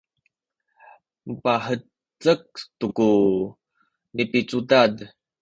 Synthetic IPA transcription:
məpaħə | t͡sək̚tuku | nipit͡sudad

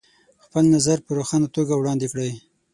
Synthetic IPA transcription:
xpəlnazaɾpəɾoxɑnat̪oɡawɽɑnd̪ekɽəj

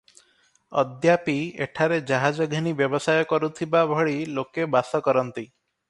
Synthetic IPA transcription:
ɔ̰d̪japiḛʈʰaɾed͡ʒaɦad͡ʒɔɡʱinibjɔbɔsajɔkɔɾut̪ʰibabʱɔɭilokebasɔkɔɾɔnt̪i

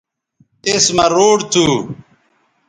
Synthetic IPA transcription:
esmɐɾoːɖt̪ʰuː

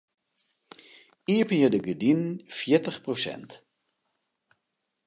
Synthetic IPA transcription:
iəpənjədəɡədinfjɪtəχprosɛ̰nt

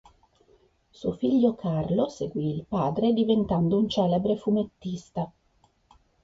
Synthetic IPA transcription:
suofiʎːokʰarloseɡwiːlpaːd̪ɾed̪ivent̪and̪ount͡ʃɛːlebɾefumet̪ːist̪a

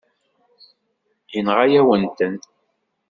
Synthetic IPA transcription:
jənʁajæwənt̪ən

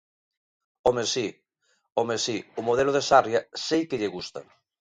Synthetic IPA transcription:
omesi | omesiʊmoðɛlʊð̞esarjɐsejkeʎeɣust̪ɐ̰

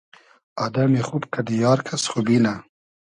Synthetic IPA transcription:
ɑd̪amexubkʰad̪əjɑːɾkʰasχubina

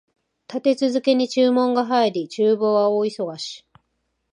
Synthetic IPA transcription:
t̪at̪e̞t͡sɨzɨke̞ɲ̟it͡ɕɨːmõ̞ŋɡaɦaiɾʲit͡ɕɨːbo̞ːβaoːiso̞ɡaɕi̥

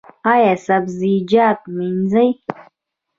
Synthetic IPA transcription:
ajasabzid͡ʒaːt̪̚miɲzaj

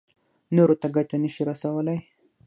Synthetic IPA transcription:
noɾot̪aɡatanəʃiɾasawəlaj

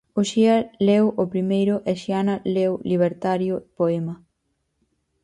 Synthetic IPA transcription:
oʃiɐlewʔopɾimejɾʊʔeʃianɐlewliβ̞eɾt̪aɾjʊpoemɐ

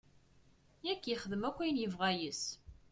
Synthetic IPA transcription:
jækːjəχəðəmækʷːæjənjəvʁæjəs

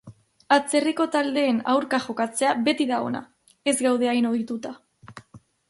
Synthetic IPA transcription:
at͡se̞riko̞t̪ald̪e̞ːna̰wɾkaʝo̞kat͡se̞aβe̞t̪iðao̞̰na̰ | e̞zɡawð̞e̞ajnoðit̪ut̪a

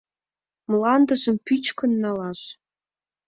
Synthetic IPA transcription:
mlɑnd̪ə̆ʒəmpyt͡ɕkənːɑlɑʃ

